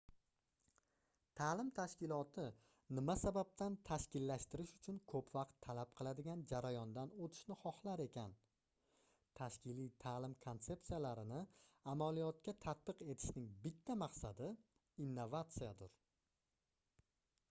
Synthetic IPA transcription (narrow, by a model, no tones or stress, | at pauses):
t̪ʰaːlɪmt̪ʰaʃkʲɪlˠɒt̪ʰɪ | nɪmasabap̚t̪ʰant̪ʰaʃkʲɪlːaʃt̪ɪɾɪʃʊt͡ʃʰʊnkʰɵpvaqt̪ʰːalap̚qʰɨlˠad̪ɪɡʲand͡ʒaɾajɒnd̪anot̪ʰɪ̥ʃnɪχɒχlˠaɾe̞kʲʰan | t̪ʰaʃkʲɪlijt̪ʰalɪmkʰo̞nt̪se̞pt̪sijalaɾɪnɪamalijɒt̪̚kʲat̪ʰat̪̚bɨqe̞t̪ʰɪ̥ʃnɪŋbɪt̪ʰːamaqsad̪ɪ | inːovat̪sijad̪ʊɾ